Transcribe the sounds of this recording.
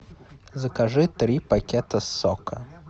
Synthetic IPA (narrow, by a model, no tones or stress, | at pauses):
zɐkaʐɨt̪ɾipakʲɛt̪ɐsːɔkɐ